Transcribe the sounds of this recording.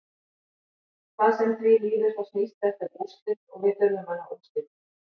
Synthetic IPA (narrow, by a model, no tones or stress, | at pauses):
kaðsɛmθviliːvɪɾ̥θawsniːst̪ɛft̪ɪɾpust̪ɪðɔ̰ɣvɪt̪œɾmʏmanːaumst̪ɪn